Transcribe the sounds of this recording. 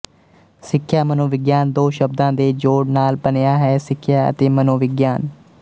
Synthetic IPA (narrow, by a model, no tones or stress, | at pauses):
sɪkʰːjaːmənoːʋɪɡjaːnd̪oːʃəb̚d̪ãːd̪eːd͡ʒoːɽnaːlbənejaːɦɛːsɪkʰːjaːə̰t̪eːmənoːʋɪɡjaːn